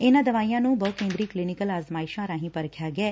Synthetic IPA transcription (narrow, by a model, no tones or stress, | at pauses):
enad̪əʋaːjãnũbəkẽːnd̪ɾiːklinikəlaːzmaːɪʃãɾãɦĩpəɾkʰjaɡɛː